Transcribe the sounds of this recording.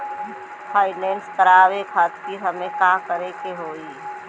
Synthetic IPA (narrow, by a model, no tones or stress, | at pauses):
pʰaːɪneːnsk̪əɾaːʋekʰaːt̪iːɾɦɐmẽkaːkəɾekeɦoːiː